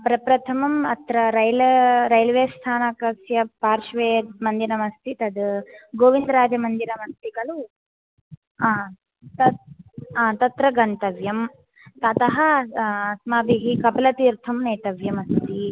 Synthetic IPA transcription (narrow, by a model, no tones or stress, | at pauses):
pɾɐpɾɐt̪ʰɐmɐmɐt̪ɾɐɾɐjlɐɾɐjlʋeːst̪ʰaːnɐkɐsjɐpaːɾʃʋeːd̪mɐnd̪inɐmɐst̪ʰit̪ɐd̪ɡoːʋind̪ɾaːd͡ʒɐmɐnd̪iɾɐmɐst̪ikɐlu | aː | t̪ɐ | aːt̪ɐt̪ɾɐɡɐnt̪ɐʋjɐm | t̪ɐt̪ɐɦɐɐsmaːbiɦikɐpɐlɐt̪iːɾt̪ʰɐmneːt̪ɐʋjɐmɐst̪ʰi